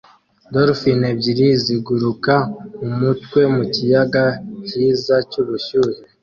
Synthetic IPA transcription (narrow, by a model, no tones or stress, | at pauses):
doɾfinebɟiɾiziɡuɾukaumutwe̞mucijaɡaciːzacuβuʃuɾe